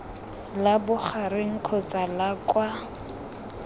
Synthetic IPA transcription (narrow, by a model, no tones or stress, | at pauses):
labʊχarɪŋ̩kʰɔt͡salakwa